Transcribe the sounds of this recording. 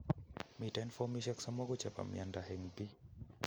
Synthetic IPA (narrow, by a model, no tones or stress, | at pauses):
mitanfɔmiʃaksamɔɡɔt͡ʃapa̰mjandahɛŋbi